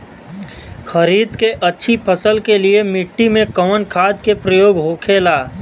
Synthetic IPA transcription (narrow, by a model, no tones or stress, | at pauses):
xʰəɾiːd̪keʔɐtːʃʰipʰəsəlkeliemɪʈːimẽkəʋənkʰaːd̪kepɾəjoːɡɦoːkʰeːlaː